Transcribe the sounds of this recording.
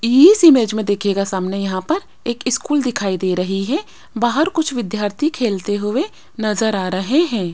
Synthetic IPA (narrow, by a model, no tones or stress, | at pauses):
iːsiːmeːd͡ʒmẽd̪eːkʰeːɡasaːmnejɐɦãpɐɾ | eːkɪskuːld̪ɪkʰaːid̪eːɾɐɦiɦɛ | baːɦəɾkʊt͡ʃʰʋɪd̪jaːɾt̪ʰikʰeːlt̪eɦʊe | nɐzəɾaːɾɐɦeɦɛ̃ː